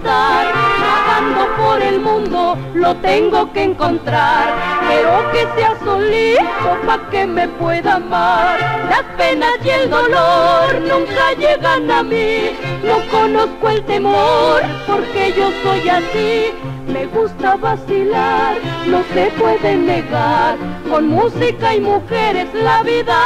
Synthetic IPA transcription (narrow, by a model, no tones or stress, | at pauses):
t̪aɾat̪and̪o̞po̞ɾe̞lmũnd̪o̞ | lo̞t̪e̞ŋɡo̞keeːŋko̞nt̪ɾaɾpe̞ɾoake̞seaso̞lit̪opake̞me̞pwe̞ðamaslaspe̞nazje̞ld̪olooɾnũŋkaʝe̞ɣanamino̞ko̞no̞skoe̞lt̪e̞moɾpo̞ɾkeʝo̞so̞jasi | me̞ɣust̪aβasilaɾno̞se̞pwe̞ðe̞ne̞ɣaɾko̞nmusikaimuxeɾe̞zlaβiða